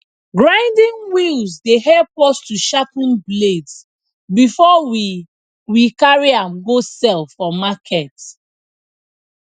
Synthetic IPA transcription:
ɡɹãɪ̃ndĩŋwilzdeɦɛlpɔstuʃapũnbleds | bifɔwi | ɹikaɹiãmɡosɛlfɔmakʰɛt

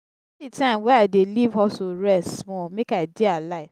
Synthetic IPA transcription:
itãmwɛadelivɔsoɾɛstmɔ̃mekadialaɪf

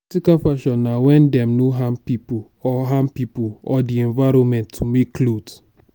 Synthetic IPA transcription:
tikafaʃɔ̃nːawɛ̃ndɛ̃mnoɦãmpipu | ɔɦãmpipuɔdiɛ̃nvaɾɔ̃nmɛ̃ntʰːumekːlot

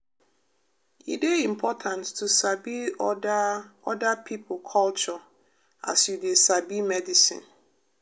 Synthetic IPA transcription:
ḭdeĩmpʰɔtʰãnttʰːusabi | ɔdapʰip̩ʰkʰɔlt͡ʃɔ | a̰sjudesabimɛdisḭ̃n

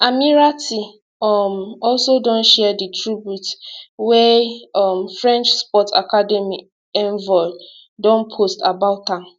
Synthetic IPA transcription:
amiɹati | ɔmɔlsodɔ̃nʃɛditʰɹibjutwɛɔmfɹɛ̃nt͡ʃspɔtʰakadɛmi | ɛ̃nvɔ | dɔ̃npʰostabaʊtãm

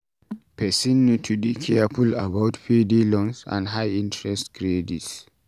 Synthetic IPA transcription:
pʰɛsĩnitʰudikʰɛapʰulabawtfidilɔ̃nsã̰nɦajĩntɹɛstkɹedits

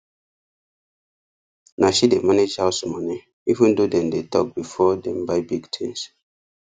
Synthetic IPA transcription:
naʃidemaned͡ʒhaʊsmɔni | ivũndodɛ̃mdetʰɔk̚bifɔdɛ̃mbaɪbiɡtʰɛ̃ns

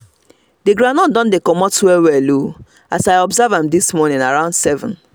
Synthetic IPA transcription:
deɡɾãnɔ̃ndɔ̃ndekɔmɔtwɛwɛlo | asaɪɔbzavãmdismɔnɪ̃naɹãʊ̃ndsɛvɔ̰̃n

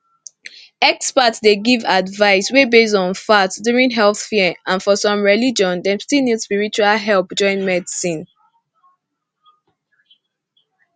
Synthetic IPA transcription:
ɛkspatsdeɡivadvaɪswebes̬ɔ̃nfatsduɹĩnɦɛlθfɛãnfɔsɔ̃mɹɛlid͡ʒɔ̃ndɛstinidspiɹit͡ʃualɦɛlˠpd͡ʒɔ̃ɪ̃nmɛdisĩn

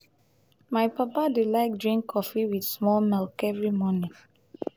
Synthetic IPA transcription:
maɪpapadilaɪk̚dɹĩŋkʰːɔfiwidsmɔlmɛlkɛvɹimɔnĩ

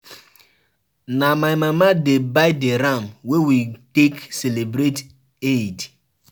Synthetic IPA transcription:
namaɪjmamadebaɪdeɾamwewitekselebɾet | ed

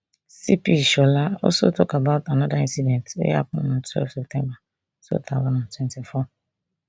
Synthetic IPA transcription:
sipiʃɔlaɔ̰so̰tɔkabaʊtanadaĩnsidɛ̃ntḛja̰p̚ʊnatʰwɛ̰lfsɛp̚tɛ̃mba | so̰tʰawanãtʰwɛ̃ntifɔ

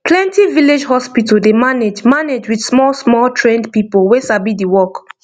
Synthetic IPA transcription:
pʰlɛ̃ntiviled͡ʒhɔspitəldemaned͡ʒmaned͡ʒwidsmɔlsmɔltʰɹɛ̃ndpipolwesabidiwɔk

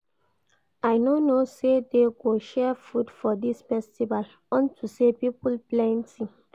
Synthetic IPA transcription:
ajnonosedeɡoʃɛfudfɔdisfɛstival | ɔ̃ntʰusepipulplɛ̃ntĩ

